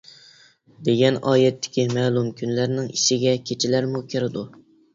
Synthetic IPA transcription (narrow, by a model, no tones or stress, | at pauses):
d̪eɡʲɛnɑːjɛt̪ʰːɪ̥kʲimɛːlˠumkʲʰynlæɾnɪŋiʃɪɡʲɛkʲʰet͡ʃʰɪlæɾmukʲʰɪɾɪd̪u